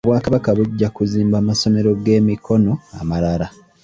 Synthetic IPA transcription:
oβwaːkaβakaβuɟːakuziːmbaːmaso̞me̞ɾo̞ɡe̞ːmikʰo̞no̞a̰maɾaɾa

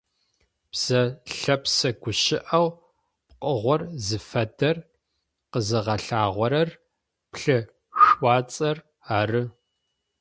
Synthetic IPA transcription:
pz̥ɐɬɐpsɐɡʷʊɕɪʔɐw | p̚qəʁʷɔrzɨfɐdɐr | qəzɨʁɐɬaːʁʷɔɾɐr | pɬɨ | ɕʷɑːt͡sʼɐr | aːrɨ

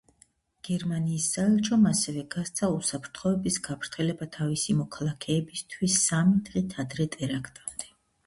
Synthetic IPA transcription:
ɡ̥ɛɾmaniːsːaɛlˠt͡ʃʰɔmasɛvɛɡast̪sʰausapʰɾt̪ʰχɔɛbisɡapʰɾt̪ʰɛlɛbat̪ʰavisimɔkʰalˠakʰɛːbist̪ʰwisːamid̪ʁit̪ʰad̪ɾɛt̪ʼɛɾakʰt̪ʼamd̪ɛ

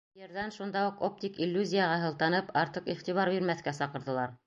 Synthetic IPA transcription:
jɤ̆ɾðænʃund̪ɑuqop̚t̪ikilʲːuzʲijəʁɑɦɤ̆lˠt̪ɑnɤpɑɾt̪ɤqiχt̪iβɑɾbiɾmæθkæsɑqɤ̆ɾðɤ̆lˠɑɾ

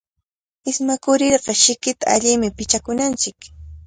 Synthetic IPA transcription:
ɪsmakʊɾɪɾɢɑʃɪkɪt̪a̰aʎɪmɪpɪt͡ʃakʊnant͡ʃɪk

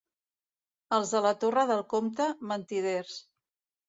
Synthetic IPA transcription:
əlˠzðələt̪orəðəlˠkomt̪əmənt̪iðers

